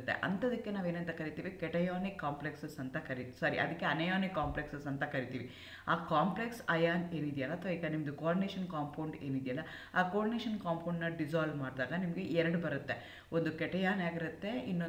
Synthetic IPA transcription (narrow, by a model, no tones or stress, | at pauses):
t̪ːe̞̰ʔɐ̰nt̪ɐd̪ɐkːe̞naːʋeːnɐnt̪ɐkɐɾit̪iːʋikɛʈɐjaːnikːaːmpleksɐsɐnt̪ɐkɐɾisɐːɾḭʔɐ̰d̪ɐkːeɐnɐjaːnikːaːmpleksɐsɐnt̪ɐkɐɾit̪iːʋi | aːkaːmpleksɐjaːneːnid̪ɛjɐlːɐːt̪ʰʋaiːɡɐnimɐd̪ukaːɾɖineʂɐnkaːmpʰoːɳɖe̞ːnid̪ɛjɐlːɐ | aːkoːɾɖineːʂɐnkaːmpʰoːɳɖnɐɖid͡ʒaːlʋmaːɽd̪aːɡɐnimɐɡeʔɛɾɐɽubɐɾut̪ːe̞ | ond̪ukɛʈɐjaːnaːɡiɾɐt̪ːe̞ḭnːo